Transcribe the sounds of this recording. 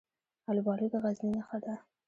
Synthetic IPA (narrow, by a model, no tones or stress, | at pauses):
albɑɽud̪əɣazlinaxad̪a